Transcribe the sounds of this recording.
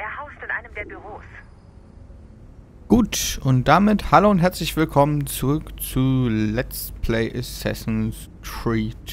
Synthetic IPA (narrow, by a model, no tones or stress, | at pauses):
ʔeːɐhaʊstɪnʔaɪnəmdeːɐbyʁ̞oːs | ɡ̥uːtʔʊnt̚d̥amɪthaloːʊnthɦɛɐt͡slɪçv̥ɪlkʰɔmənt͡suʁʏkt͡suːlɛt͡stpʰleɪʔɪsɛ̰sn̩s | tʁiːt